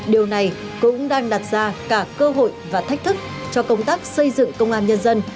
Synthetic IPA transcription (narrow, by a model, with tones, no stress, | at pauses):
ɗi˨˩əwna˨˩jkʊ̰˧˥ŋ͡mɗaː˧ŋɗa˨˩t̚z̥aː˧kaː˧˩kəː˧ɦo̰˧˨jvaː˨˩t̪ʰa˦˥jk̚t̪ʰɨ˦˥k̚ | t͡ɕɔ˧kə˧wŋ͡mt̪aː˦˥k̚sə˧jzɨ̰˧˨ŋkə˧wŋ͡mʔaː˧nɲə˧nzə˧n